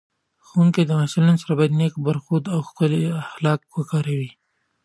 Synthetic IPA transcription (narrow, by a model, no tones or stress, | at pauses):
xunked̪əmasulansaɾabɑjad̪nekbaɾxud̪awxpəleaxlɑːk̚wakɑɾawi